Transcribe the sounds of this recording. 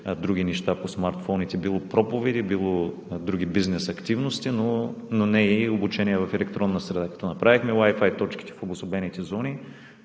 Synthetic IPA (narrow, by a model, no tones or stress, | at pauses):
d̪ɾuɡ̟inɛʃt̪aposmaɾt̪fɔnit̪ɛbilˠopɾɔpovɛd̪ibilˠo | d̪ɾuɡ̟ibiznɛsɐkt̪ivnost̪inononɛobut͡ʃɛniɛvɐfɛlɛkt̪ɾɔnːəsɾɛd̪akɐ̥t̪ɔnɐpɾavixmɛwajfajt̪ɔt͡ʃki̥t̪ɛ̥fobʊsobɛnit̪ɛzɔni